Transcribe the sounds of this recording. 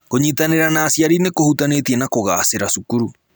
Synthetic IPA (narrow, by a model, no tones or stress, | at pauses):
koɲitaneɾanaːsjaɾinekohutanetiɛnakoɣaseɾasukuɾu